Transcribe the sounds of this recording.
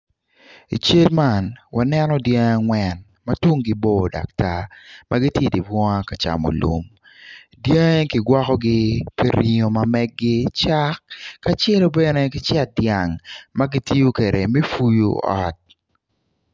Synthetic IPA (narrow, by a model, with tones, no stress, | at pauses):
ḭ˨t͡ʃe˦lma˦˨nwa˨nɛ˦nɔ˦dje˦ŋa˨ŋwɛ˨n | matwo˦ŋɡɪ˦bo˦˨da̰˨k̚ta˦mʔa˦ɡi˦tje˦˨di˨bwɔ˦ŋa˦ka˨t͡ʃa̰˨mɔ̰˨lṵ˨m | dje˦ŋe˦kɪ˨ɡwɔ˦kɔ˦ɡɪ˦pe˦ɾi˨ɲo˨ma˨mɛ˦ɡɡɪ˦t͡ʃa˦kkːa˦t͡ʃɛ˦lo˦bɛ˦ne˦kɪ˦t͡ʃɛ˦t̚dja˨ŋmaɡi˦ti˦jo˦ke˨ɾe˨mi˦fu˦jṵ˦ɔ̰˦t̚